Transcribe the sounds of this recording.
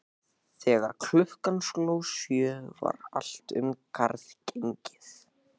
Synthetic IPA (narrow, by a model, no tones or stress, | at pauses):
θɛːɣaɾkʰl̥ʏhkanskloːwsjœːva̰ɾa̰l̥t̪ʏ̰mkʰaɾθceɲcɪ̥θ